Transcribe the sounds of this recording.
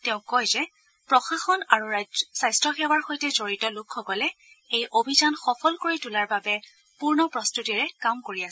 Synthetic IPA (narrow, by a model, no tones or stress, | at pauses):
tɛʊ̃kɔjzɛ | pɹɔxaxɔnaɹuɹasajstɹɔxɛwaɹxojtɛzoɹitɔlʊkʰːɔkɔlɛ | ejʔobʱizanxɔpʰɔlkoɹitulaɹbabɛ | puɹnɔpɹɔstutiɹɛkamkoɹiasɛ